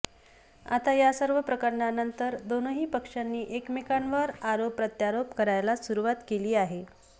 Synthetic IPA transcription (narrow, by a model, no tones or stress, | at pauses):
a̰t̪ajasəɾʋəpɾəkəɾɳanənt̪əɾd̪onəɦiːpəkʂanːiːʔekmikanʋəɾaɾopɾət̪jaɾopkəɾajlasuɾuʋat̪keliːaɦe